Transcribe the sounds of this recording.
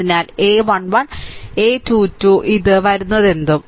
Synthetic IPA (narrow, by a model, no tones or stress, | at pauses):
inaːle̞ːʋɐɳʋɐɳe̞ːt̪uːtːuʔiðɨʋɐɾunːɐðe̞nd̪um